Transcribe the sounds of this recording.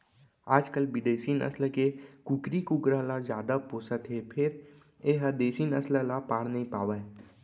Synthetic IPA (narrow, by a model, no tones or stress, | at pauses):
aːd͡ʒkəlbɪd̪eːsinə̰sləkekukɾikukɾalazjaːd̪apoːsət̪ɦepʰɪɾ | eɦəd̪eːsinəsləlapaːɽnəɦĩpaːʋa